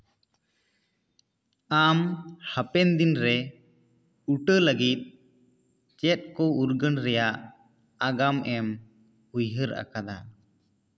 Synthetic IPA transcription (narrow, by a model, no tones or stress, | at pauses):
amhəpɛnd̪inɾɛ | uʈələɡit̪̚ˀ | t͡ʃɛt̪̚ˀkɔuɾɡənɾɛjaʔ | aɡamɛm | hujɦəɾʔa̰kad̪a